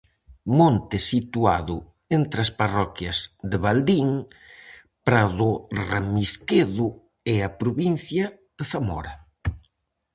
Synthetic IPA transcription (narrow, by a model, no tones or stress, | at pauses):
mõnt̪ɪsit̪ua̰ðʊ | ent̪ɾɐsparɔkjɐzðeβald̪iŋ | pɾaðʊramiskeðʊ | ɛapɾoβin̟θjɐ | ðeθamɔ̰ɾɐ